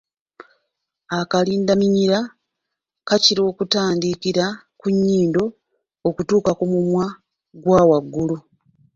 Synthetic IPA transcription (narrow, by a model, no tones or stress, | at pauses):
akaliːndamiɲiɾa | kaciɾo̞ːkutaːndikiɾa | kuɲːiːndo̞ː | kutuːkakumumwa | ɡwaːwaɡːulu